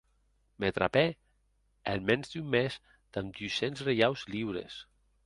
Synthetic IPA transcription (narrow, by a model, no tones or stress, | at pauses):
met̪ɾa̰pe | elmɛ̃nzd̪ymːez | d̪̥amd̪ysenzrejawzliwɾḛs